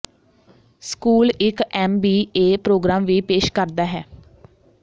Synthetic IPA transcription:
skuːlɪkɛːmbiːeːpɾoːɡɾaːmʋiːpeːʃkəɾd̪aːɦɛ̰ː

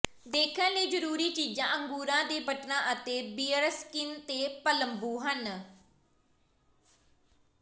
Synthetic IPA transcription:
d̪eːkʰənləiːd͡ʒəɾuːɾiːt͡ʃiːd͡ʒãːʔəŋɡuːɾãːd̪eːbəʈnãːʔət̪eːbiːəɾəskɪnt̪eːpələmbuːɦən

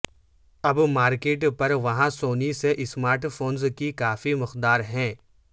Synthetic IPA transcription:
ɐbmaːɾkeːʈpɐɾʋɐɦãsoːniseʔɪsmaːɾʈfʰoːnzkikaːfimʊqd̪aːɾɦɛ̃ː

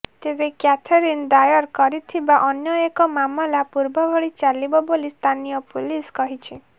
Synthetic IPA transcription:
t̪ebekjat̪ʰeɾind̪ajɔɾkɔɾit̪ʰibaʔɔnjɔekɔmamɔlapuɾbɔbʱɔɭit͡ʃalibɔbolist̪ʰanijɔpuliskɔɦit͡ʃʰi

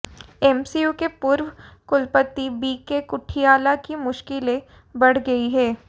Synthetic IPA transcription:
ɛmsijuːkepʊɾwkʊlpət̪ːibiːkekʊʈʰijaːlakimʊʃkɪlẽ | bɐɽ̤ɡɐiɦɛː

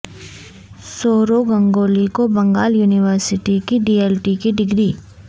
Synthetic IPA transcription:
soːɾoɡɐ̃ŋɡoːlikobɐ̃ŋɡaːljuːnɪʋəɾsɪʈikiɖiːeːlʈikiɖɪɡɾiː

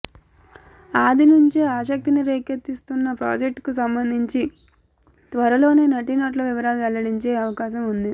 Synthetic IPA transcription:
aːd̪inuɲt͡ʃeːaːʃ̬ɐk̚t̪iniɾeːket̪ːist̪unːɐpɾa̰ːd͡ʒek̚ʈkus̬ɐmbɐnd̪ʱiɲt͡ʃi | t̪ʋɐɾɐlo̞ːne̞ːnɐʈinaːʈ̬lɐʋiʋɐɾaːlʋɛlːɐɽiɲt͡ʃeːɐʋɐkaːʃɐmund̪i

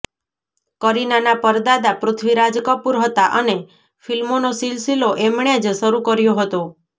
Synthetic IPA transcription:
kəɾinanapəɾd̪ad̪apɾʊt̪ʰʋiɾad͡ʒkəpuɾɦət̪aʔəne | filmonosilsiloʔemɳ̃ed͡ʒsəɾukəɾjoɦət̪o

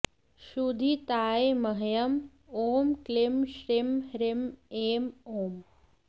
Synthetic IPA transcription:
ʃud̪ʱit̪aːemɐɦjɐm | oːmklɪmʃɾiɪmɾɪmeːmoːm

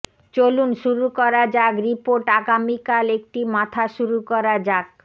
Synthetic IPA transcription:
t͡ɕolunʃuɾukɔɾad͡ʑaɡɾipoɾʈaɡamikalek̚ʈimat̪ʰaʃuɾukɔɾad͡ʑaɡ

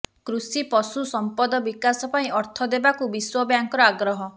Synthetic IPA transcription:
kɾusipɔsusɔmpɔd̪ɔbikasɔpaĩɔɾt̪ʰɔd̪ebakubiswɔbjaŋkɔɾɔaɡɾɔɦɔ

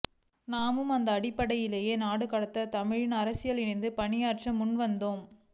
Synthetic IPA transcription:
naːmɯmɐnd̪ɐːɽɪpːɐɽɐjɪleːjeːnaːɽɯkɐɽɐt̪ːɐt̪ɐmɪɻɪnɐɾɐsɪjɐlɪnɐɪnd̪ɯpɐɳɪjaːrʈt͡ʃɐmːʊnʋɐnd̪oːm

